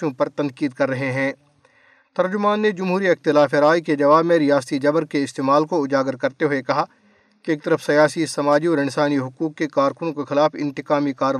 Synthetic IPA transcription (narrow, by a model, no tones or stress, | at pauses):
jõpɐɾt̪ɐ̃ŋkiːd̪̚kɐɾːɐɦeɦɛ̃ː | t̪ɐɾd͡ʒʊmaːnːed͡ʒɐmɦuːɾiɪxt̪ɪlaːfeɾaːiked͡ʒɐʋaːbmẽɾɪjaːst̪id͡ʒɐbɾkeɪst̪eːmaːlkoʊd͡ʒaːɡəɾkɐɾt̪eɦʊekɐɦa | keeːk̚t̪ɐɾəfsɐjaːsisɐmaːd͡ʒiɔːɾɪ̃nsaːniɦʊkuːkːekaːɾkʊnõkexɪlaːfɪ̰̃nt̪ɪkaːmikaːɾə